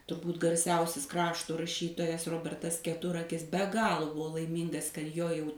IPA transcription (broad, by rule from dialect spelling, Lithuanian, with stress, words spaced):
tʊrˈbuːt ɡɐrʲˈsʲɛʊsʲɪs ˈkrɑːʃtoː rɐˈʃʲiːtoːjɛs ˈroːbʲɛrtɐs kʲɛˈtʊrɐkʲɪs bʲɛ ˈɡɑːlˠoː ˈbuɔ lˠɐɪˈmʲiːŋɡɐs kɐt ˈjoː ˈjɛʊ